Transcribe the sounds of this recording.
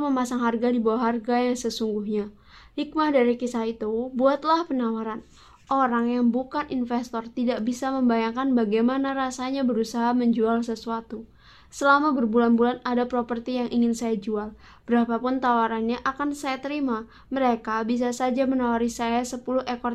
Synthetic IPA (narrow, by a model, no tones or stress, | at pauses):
məmasaŋɦarɡadibawaɦarɡajaŋsəsuŋɡuhɲa | hik̚mahdaɾikisahit̪ubuat̪lahpənawaɾan | ʔoɾaŋjaŋbukanʔinfɛst̪ɔrt̪idaʔbisaməmbajaŋkanbaɡajmanaɾasaɲabəɾusaɦaməɲd͡ʒualsəsuat̪u | səlamabərbulanbulanadapɾopərt̪ijaŋʔiŋɪnsajad͡ʒual | b̥əɾapapʊnt̪awaɾanɲaʔakansajat̪əɾima | məɾekabis̬asad͡ʒamənawaɾisajasəpuluhekɔ